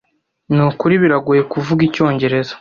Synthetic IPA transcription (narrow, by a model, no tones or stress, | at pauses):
nukuɾiβiɾaɡuje̞kuvuɡico̞ːɲɟe̞ɾe̞zḁ